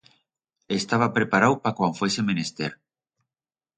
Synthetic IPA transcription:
est̪aβ̞apɾepaɾawpakwaɱfwesemẽnest̪eɾ

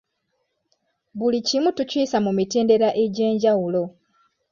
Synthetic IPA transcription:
βulicimutuciːsamumiteːnde̞ɾaʔe̞ɟe̞ːɲɟawulo̞

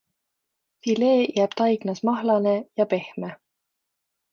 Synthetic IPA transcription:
file̞ːjæːb̥t̪ɑjɡ̥nɑsmɑɦlɑnejɑpe̞hme

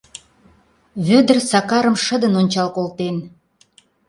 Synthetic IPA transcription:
βød̪ə̆rsɑkɑɾə̆mʃə̆d̪ənonʲt͡ɕɑlkolt̪en

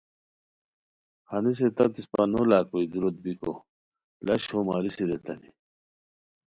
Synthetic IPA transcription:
hɐnis̬et̪at̪ispanolaːkoid̪uɾot̪̚biko̰ | lɐɕhomaːɾisiɾet̪ɐni

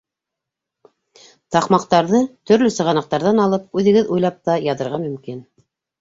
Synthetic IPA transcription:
t̪ɑqmɑqt̪ɑɾðɤt̪ɵ̆ɾlɵsɤ̆ʁɑnɑq̚t̪ɑɾðɑnɑlˠɤp̚ʉðɘ̆ɡɘðujlˠɑp̚t̪ɑjɑðɤ̆ɾʁɑmɵ̆mkin

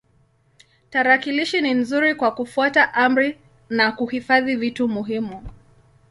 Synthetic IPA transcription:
taɾakiliʃinin̩zuɾikwakufuataʔam̩ɾi | nakuhifaðivitumuɦimu

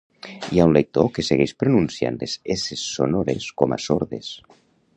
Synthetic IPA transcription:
iaunlek̚t̪okeseɣejspɾonunsja̰nd̪esesesːonoɾeskoma̰soɾðḛs

